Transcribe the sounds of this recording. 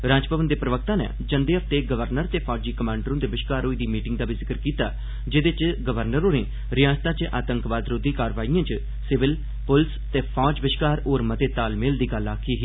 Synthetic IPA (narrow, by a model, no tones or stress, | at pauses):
ɾãːd͡ʒpəʋənd̪eːpɾəʋək̚t̪ãːnɛ̰ːd͡ʒənd̪eːəpt̪eːɡəʋəɾnəɾt̪eːpʰɔːd͡ʒiːkəmãːɳɖəɾõːd̪eːʋɪʃkaːɾoːiːd̪iːmiːʈɪ̃ŋɡd̪aːbiːzɪkəɾkiːt̪aː | d͡ʒed̪et͡ʃɡəʋəɾnəɾoːneː | ɾɪjaːd͡ʒt̪ãːt͡ʃʔa̰ːt̪əŋkʋaːd̪ɾoːd̪iːkaːɾʋaːijãːt͡ʃ | sɪʋɪl | pʊlst̪eːpʰaːd͡ʒʋɪʃkaːɾoːɾmət̪eːt̪aːlmeld̪iːɡəlaːkʰiːɦiː